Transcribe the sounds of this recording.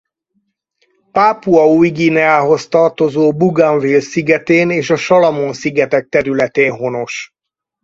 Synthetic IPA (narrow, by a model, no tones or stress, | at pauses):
paːpuɒujɡiːnɛaːɦo̞st̪ɒrt̪o̞zoːbuɡaɱvilsiɡɛt̪eːneːʃɒʃɒlɒmonsiɡɛt̪ɛk̚t̪ɛɾylɛt̪eːnɦo̞no̞ʃ